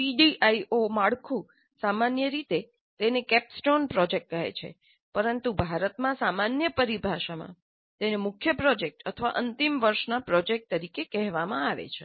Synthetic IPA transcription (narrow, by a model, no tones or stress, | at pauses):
iɖiʔaiomaɭkʰũ | samanjəɾit̪e | t̪enekɛpsʈonpɾɔd͡ʒek̚ʈ̚kəɦḛt͡ʃʰḛ | pəɾənt̪ubʱaɾət̪mãsamanjəpəɾibʱaʃamã̰ | t̪enemʊkʰjəpɾɔd͡ʒek̚ʈət̪ʰəʋa̰ʔənt̪imʋəɾʃnapɾɔd͡ʒek̚ʈ̚t̪əɾikekɛɦʋamãaʋḛt͡ʃʰe